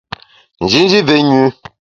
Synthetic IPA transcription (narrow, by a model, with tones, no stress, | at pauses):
n̩˨d͡ʒi˨˦n̩˦d͡ʒi˦ve˨˦ɲu˨˦